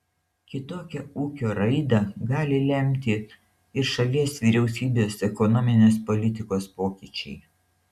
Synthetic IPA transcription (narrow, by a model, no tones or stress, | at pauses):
kʲɪt̪oːkʲɛuːkʲoːɾɐɪd̪ɐɡɑːlʲɪlʲɛmʲt̪ʲɪ | ɪɾʃɐlʲiɛsʋʲiːɾʲɛʊsʲiːbʲeːsɛkɔnɔːmʲɪnʲeːspɔlʲɪt̪ʲɪkoːspoːkʲiːt͡ʃʲɛɪ